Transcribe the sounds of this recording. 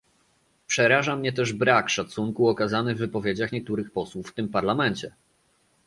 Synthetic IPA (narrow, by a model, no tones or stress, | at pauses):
pʂɛɾaʐamɲɛt̪̬ɛʐbɾakʂat̪suŋkuɔkazanɘvːɘpɔvʲjed͡ʑaxɲɛk̚t̪uɾɘxpɔswufft̪ɘmpaɾlamɛɲt͡ɕɛ